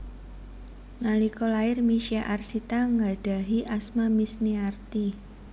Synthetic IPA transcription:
nalikolaɪrmiʃiaʔarsit̪aŋɡad̥a̤ɦiʔasmamisniart̪i

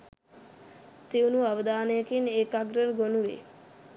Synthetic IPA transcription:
t̪ewnuabəd̪aːneəkineːkaɡɾəɾɡonuʋḛ

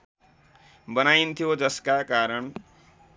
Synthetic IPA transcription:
bʌnajnt̪ʰijod͡zʌskakaɾʌɳ

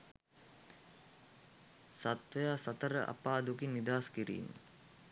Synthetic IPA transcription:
sat̪ʋəjaːsat̪əɾə̰ʔa̰paːd̪ukinːid̪aːskiɾḭːn

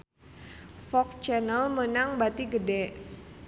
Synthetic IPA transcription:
fɔkt͡ʃɛnəlmənaŋbat̪iɡədɛʔ

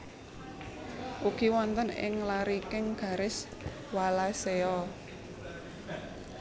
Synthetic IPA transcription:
ʔukiwɔnt̪ənɪ̰ŋlaɾikɪŋɡ̥a̤ɾɪs | walaseɔ

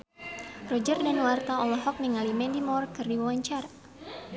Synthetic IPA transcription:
rɔd͡ʒərdanwart̪aɔlɔɦɔk̚niŋalimɛndimɔrkɨrdiwawaɲt͡ʃara

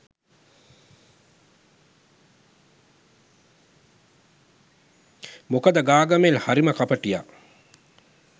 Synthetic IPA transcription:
mokəd̪əɡaːɡɐmelhaɾiməkapəʈija̰

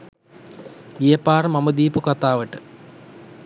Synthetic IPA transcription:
ijəpaːrəmaməd̪iːpukat̪aːʋəʈə

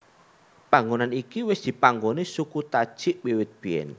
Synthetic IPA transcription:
paŋɡonanikiwɪsd̪̥i̤paŋɡonisukut̪ad̥ʒ̥ɪʔwewɪt̪̚b̥e̤ɛ̰n

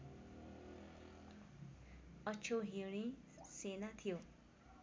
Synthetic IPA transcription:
ʌt͡ʃʰoɦiɽ̃i | senat̪ʰijo

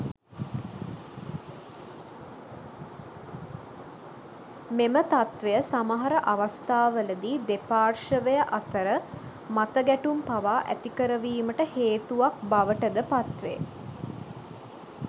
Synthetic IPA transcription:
memət̪at̪ʋejəsamaɦaɾəʔaʋast̪aːʋələd̪iːd̪epaːrʂəʋejəʔat̪əɾə | mat̪əɡæʈumpaʋaːʔæ̰t̪ikəɾəʋiːməʈəheːt̪uʋak̚baʋəʈəd̪əpat̪ʋḛ

